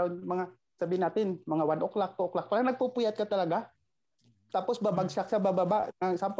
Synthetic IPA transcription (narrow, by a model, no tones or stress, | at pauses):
nmɐŋa | sabiːhɪnaːt̪ɪnmɐŋawanʔoklak̚p̪oʔoklak̚paɾaŋnɐɡ̚pupujat̪̚kat̪ɐlaɡa | t̪aːposbabaɡsaksabababaʔŋasamp